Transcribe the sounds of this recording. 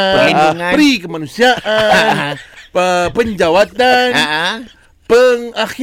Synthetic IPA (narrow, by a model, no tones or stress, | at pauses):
ɾikəmanusiaʔanəpəɲd͡ʒawat̪an | pəŋax